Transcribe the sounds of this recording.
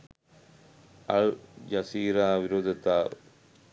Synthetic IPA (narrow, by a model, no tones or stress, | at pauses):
ɐɭd͡ʒɐsiːɾaːʋɪɾoːd̪ʱɐt̪aː